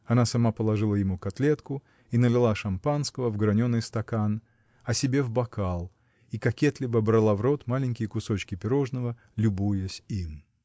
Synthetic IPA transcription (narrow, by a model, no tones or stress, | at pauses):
ɐnasɐmapəlˠɐʐɨlˠəjɪmukɐt̪lʲe̞t̪kʊ | inəlʲɪlˠaʂɐmpanskəvəvɡɾɐnʲonːɨjst̪ɐkan | ɐsʲɪbʲe̞vbɐkalˠ | ikɐkʲet̪lʲɪbəbɾɐlˠavɾo̞t̪malʲɪnʲkʲɪjəkʊso̞t͡ɕkʲɪpʲɪɾo̞ʐnəvə | lʲʊbujəsʲim